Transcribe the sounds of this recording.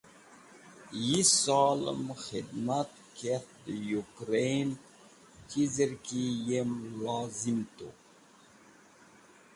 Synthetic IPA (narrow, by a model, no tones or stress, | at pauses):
jisɑːlə̰məxid̪mat̪̚ | kʰet̪d̪əjukɾejn | kizəɾkijemlɑːzimt̪o̰